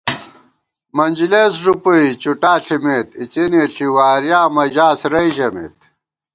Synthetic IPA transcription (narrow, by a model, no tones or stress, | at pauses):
mɐnd͡ʑileːsʐupuit͡ɕuʈaːɬimeːt̪it͡ɕiniɬiwaːɾjaːmɐʑaːsɾɐiʑɐmḛːt̪̚